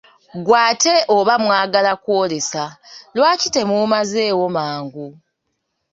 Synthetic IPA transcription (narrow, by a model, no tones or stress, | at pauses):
ɡwaːte̞ʔoβamwaːɡalakwo̞ːlesalwaːcite̞muːmaze̞ːwo̞maːŋɡu